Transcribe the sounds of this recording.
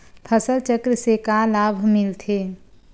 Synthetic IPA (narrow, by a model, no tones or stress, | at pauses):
pʰəsəlt͡ʃəkɾsekalaːbʱmɪlt̪ʰeː